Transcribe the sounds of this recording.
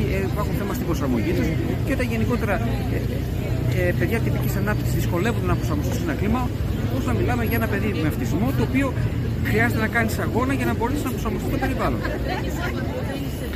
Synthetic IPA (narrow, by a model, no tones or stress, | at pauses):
ieipɐxunθe̞mɐst̪ibɾosɐɾmo̞̰ʝisɐs | ceo̞t̪ɐnʝe̞niko̞t̪e̞ɾɐ | e | epe̞ðʝɐt̪ipicisɐnɐp̚t̪i̥ksizðisko̞le̞vund̪enɐpɾo̞sɐɾmo̞st̪isenɐklimɐ | osnɐmilɐme̞ʝɐe̞nɐpe̞ðimeɐft̪izmo̞t̪oːpio | xɾiɐze̞t̪enɐkɐnisɐɣo̞nɐʝɐnɐbo̞ɾesisznɐpɾosɐɾmost̪ist̪obe̞ɾivɐlo̞̰n